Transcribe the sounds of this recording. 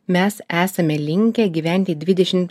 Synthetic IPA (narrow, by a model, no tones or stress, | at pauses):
mʲɛsæːsɐmʲɛlʲɪŋʲkʲɛɡʲiʋʲæˑnʲt̪ʲɪd̪ʲʋʲɪd̪ʲɛʃʲɪmt̪